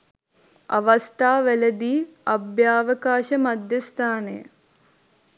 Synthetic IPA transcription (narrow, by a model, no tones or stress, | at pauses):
ɐ̰ʋɐst̪aːʋæləd̪iːɐbjaːʋəkaːʃəmad̪ʱjəst̪ʰaːnḛjə̰